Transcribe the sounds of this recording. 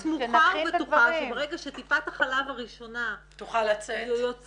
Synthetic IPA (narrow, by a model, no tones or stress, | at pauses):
smuχabetuχaʃebeʁeɡaʃet̪ifataχalavaʁiʃo̞nat̪uχalat͡sejjot͡s